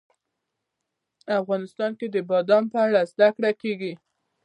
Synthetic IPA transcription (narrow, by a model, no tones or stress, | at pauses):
afɣɑnɪst̪ɑnked̪əbɑd̪ɑmpəaɽazd̪akɽakeɡi